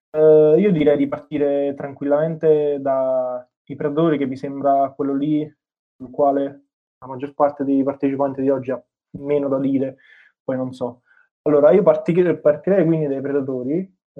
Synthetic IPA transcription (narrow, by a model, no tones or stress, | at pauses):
iːod̪iɾɛjd̪ipart̪iːɾet̪ɾaŋkwilːament̪ed̪a | ipɾed̪at̪oːɾikevːisembɾakwelːoli | sulkwaːle | lamad͡ʒːorpart̪ed̪ejpart̪et͡ʃipant̪id̪iɔd͡ʒːia | mːeːnod̪ad̪iːɾe | pɔjnonsɔ | alːoːɾaiːopart̪ipart̪iɾɛjkwind̪id̪ajpɾed̪at̪oːɾi